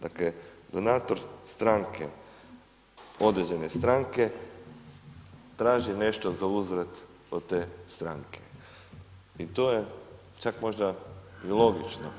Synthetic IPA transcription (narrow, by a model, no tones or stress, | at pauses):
d̪akled̪onaːt̪oɾst̪ɾaŋkʰḛ | o̞d̪ɾed͡ʑene̞st̪ɾaŋke̞ | t̪ɾaːʒine̞ʃt̪ozauzɾet̪ | od̪t̪eːst̪ɾaŋkʰe̥ | it̪oje | t͡ʃakmo̞ʒd̪ailˠo̞ɡit͡ʃno